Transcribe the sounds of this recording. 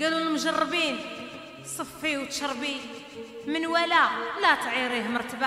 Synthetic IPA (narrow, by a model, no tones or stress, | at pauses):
ɡæluəlmʊʒɑrˤːbin | sˤəfːiwt̪ʃɑɾˤbi | mənwælælæt̪ʕiɾihməɾˤt̪əba